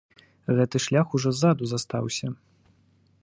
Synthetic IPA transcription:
ɣɛt̪ɨʂlʲaxuʐɔzad̪uzast̪awsʲɐ

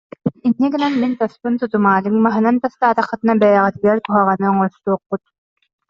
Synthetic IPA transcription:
inːikinɛnmint̪ɔspunsut̪umaːlɯŋmaɦɯnant̪ɔst̪aːt̪aχːɯt̪ɯnabɛjɛʁɛt̪bɛɾt̪uɦaʁanɯɔŋɔst̪uɔqːut̪

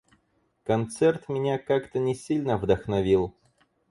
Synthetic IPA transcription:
kɐnt̪sɛrt̪mʲɪnʲakakt̪ənʲɪsʲilʲnəvd̪əxnɐvʲilˠ

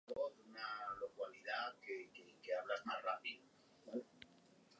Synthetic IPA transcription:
βoðunalokwaliðakekekeaβlazmazrapiðo | al

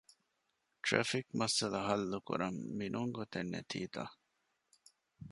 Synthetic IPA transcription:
ʈɾɐ̰fikmɐsɐlɐɦɐlːukṵɾɐmːinʔuŋɡot̪enːḛt̪ʰḭːt̪a̰

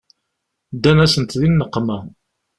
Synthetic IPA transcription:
d̪ænæsənt̪ðinːəqːmæ

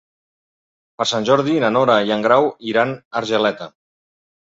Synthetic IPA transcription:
pəɾsanʲʒɔɾðinanoɾajaŋɡɾawiɾanəɾʒəlɛt̪ə

